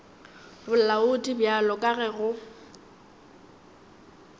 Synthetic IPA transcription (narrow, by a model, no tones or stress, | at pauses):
bʊlaʊtʼibjalɔkʼaɣɛɣʊ